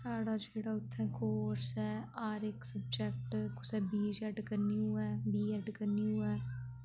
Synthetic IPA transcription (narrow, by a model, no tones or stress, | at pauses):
saːɽad͡ʒeːɽaʊt̪ʰːɛ̃koːɾsɦɛaːɾeːksəb̚d͡ʒɛkʈkʊsɛbiːd͡ʒɛʈkəɾniɦuɛːbiːd͡ʒɛʈkəɾniɦuɛː